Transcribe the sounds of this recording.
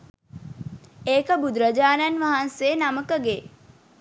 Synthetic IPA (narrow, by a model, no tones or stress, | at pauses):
eːkəbud̪ɾəd͡ʒaːnanʋaɦanseːnaməkəɡe